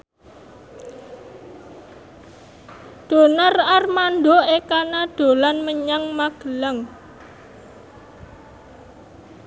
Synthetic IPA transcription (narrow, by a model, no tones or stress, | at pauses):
d̪̥o̤nərarmandoekanad̪̥o̤lanməɲaŋmaɡ̥əlaŋ